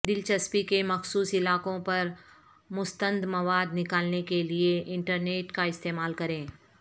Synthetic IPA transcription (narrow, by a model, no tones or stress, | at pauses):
d̪ɪlt͡ʃɐspikemɐxsuːsɪlaːkõpɐɾ | mʊst̪ə̃nd̪mɐʋaːd̪nɪkaːlnekelieʔɪ̃ɳʈəɾneːʈkaɪst̪eːmaːlkɐɾẽː